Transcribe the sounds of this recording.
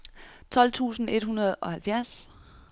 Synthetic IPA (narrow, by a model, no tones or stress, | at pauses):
t͡sʰɒ̽l̰t͡sʰṵːsn̩e̝d̥hunɐð̩ˠɒ̽hælfjæɐ̰s